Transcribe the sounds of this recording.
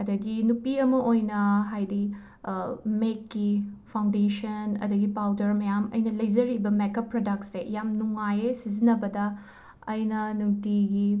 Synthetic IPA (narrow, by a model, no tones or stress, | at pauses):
ɐdɐɡinupiɐmɐʔojnɐɦajdi | mekːipʰaw̃ndesɐnɐ̰dɐɡipawdɐɾmɐjamɐ̰jnɐlɐjzɐɾibɐmekɐpːɾodɐk̚sːejamnuŋajesizinɐbɐdɐ | ɐjnɐnutiɡi